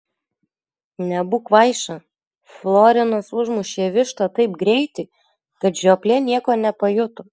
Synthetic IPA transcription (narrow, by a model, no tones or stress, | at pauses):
nʲɛbʊkʋɐɪʃɐ | flˠoːɾʲɪnosʊʒmʊʃʲeːʋʲɪʃt̪ɐt̪ɐɪpɡɾʲɛɪt̪ʲɪ | kɐt̪ʒʲoːpʲlʲenʲiɛkoːnʲɛpɐjʊt̪ʊ